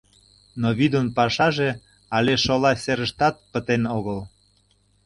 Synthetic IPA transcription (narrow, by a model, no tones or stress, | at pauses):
noβid̪ənpɑʃɑʒe | ɑlʲeʃolɑsʲeɾəʃt̪ɑt̪̚pət̪enoɣəl